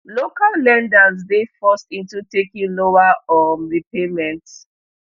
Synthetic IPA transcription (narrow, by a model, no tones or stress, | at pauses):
lokalːɛ̃ndazdefɔstĩntutekĩŋlowaɔnɹipʰemɛ̃nt